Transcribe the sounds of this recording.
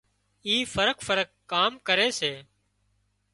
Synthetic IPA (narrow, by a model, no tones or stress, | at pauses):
iːfəɾəkfəɾəkːaːmkəɾeːseː